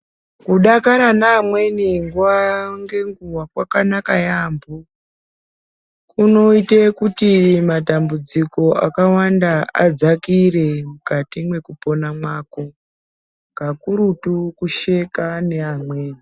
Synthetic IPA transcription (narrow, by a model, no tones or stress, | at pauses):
kuɗakaɾanaːmwe̞niŋɡuwaŋɡe̞ŋɡuwakwakanakajambo | kuno̞itekutimatambud͡ziko̞ʔakawandaa̰d͡zakire̞mukatimwe̞kupo̞namwaːko | ŋɡakuɾutukuʃe̞kane̞amweːni